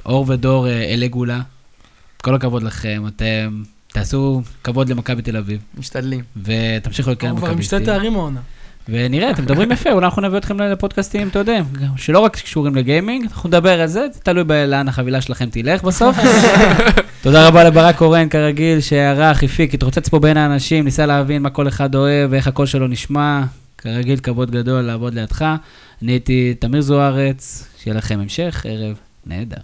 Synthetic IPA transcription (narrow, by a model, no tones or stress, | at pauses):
ʔo̞ʁved̪o̞ʁeeleɡula | tko̞lhakavo̞d̪laχe̞mat̪em | t̪eaːsukavo̞d̪lemakabit̪e̞lavivmiʃt̪adlimvet̪amʃiχulotkeemakamiʃt̪et̪eaʁimaonave̞niʁeat̪emedabʁimjafeulanaχnuneviot̪χemlepod̪̚kast̪imt̪ejod̪eʃelo̞ʁakkʃuʁimleɡejmiŋɡanaχumedabe̞ʁalzet̪alujbeleanaχavilaʃelaχe̞mt̪ile̞χbaso̞f | t̪o̞d̪aʁabalebaʁako̞ʁenkaʁaɡilʃeaʁaχifikit̪ʁot͡se̞t͡spo̞benaːnaʃimnisaleavinmakole̞χad̪o̞e̞veχako̞lʃe̞lo̞niʃma | kaʁaɡilkavo̞d̪ɡad̪o̞lːaːvo̞d̪lejad̪χa | niit̪it̪amiʁzuaʁet͡sʃejelaχe̞memʃe̞χḛʁev | nʔḛːd̪a̰ʁ